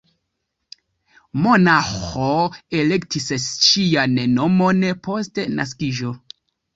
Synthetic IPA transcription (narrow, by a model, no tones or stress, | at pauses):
monaxoe̞le̞ktisʃijanno̞monpʰo̞stena̰s̬kiʒo̞